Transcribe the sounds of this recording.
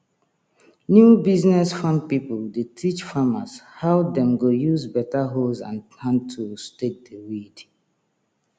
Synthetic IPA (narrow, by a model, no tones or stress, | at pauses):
njubiznɛsfãmpipuldetʰit͡ʃfamashawdɛ̃mɡojuzbɛtaɦozã̰ntʰãntʰustek̚dewid